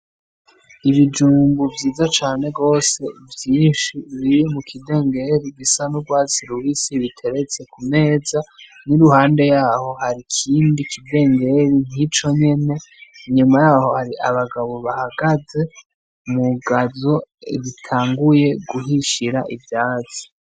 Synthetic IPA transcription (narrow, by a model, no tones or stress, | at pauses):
iβid͡ʒuːmɡuvjiːzat͡ʃaːne̞ɡo̞ːse̞vjiːnʃiβijemukʰide̞ːŋɡe̞ɾiɡisanuɡwaːt͡siɾuβisiβitʰe̞ɾe̞t͡se̞kʰume̞ːza | niɾuhaːnde̞jaːho̞haɾikʰiːndikʰide̞ːŋɡe̞ɾin̥it͡ʃo̞ɲe̞ne̞ɲumajaːho̞haɾiʔaβaɡaβo̞βahaɡ̥aze̞ | muɡazo̞iβitʰaːŋɡuje̞ɡuɦiʃiɾaʔivjaːzi̥